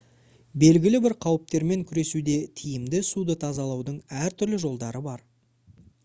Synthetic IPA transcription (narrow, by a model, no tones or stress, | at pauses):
be̞lɡʲɪlɪbɪɾqʰɑwəp̚t̪e̞ɾme̞ŋkʲʰʏɾe̞sud̪e̞t̪ʰijɪmd̪ɪsud̪ət̪ʰɑzɑlˠɑwd̪əɴæɾt̪ʰʏɾlɪʒo̞lˠd̪ɑɾəbɑɾ